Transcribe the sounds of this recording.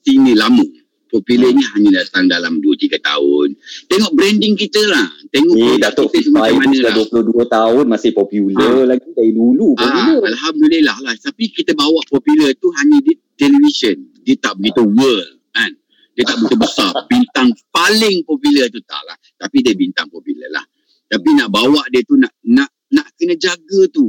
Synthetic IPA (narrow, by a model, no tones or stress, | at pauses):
sinĩlamə̃ | pɔpjuləɲĩɦaɲə̃dat̪aŋdalamduət̪iɡat̪a̰ʊ̰nt̪eŋɔʔbɾɛndɪŋkit̪əlaht̪eŋɔdat̪ʊiʔt̪əsmaamãnəaduəpulohduət̪aʊnmasɪhpɔpjuləlaɡid͡ʒaidulukaialɦamdililahlaht̪apikit̪əbawaʔpɔpjulərt̪uɦaɲə̃dit̪ɛlivisəndiət̪aʔbəɡit̪uwəl | an | diət̪aʔbut̪ubəsarbint̪aŋpalɪŋpɔpjulərt̪ut̪a̰ʔla̰ht̪apidiəbint̪aŋpɔpjulə̰la̰h | t̪apinaʔbawaʔdiət̪unaʔna | naʔkənə̃d͡ʒaɡat̪u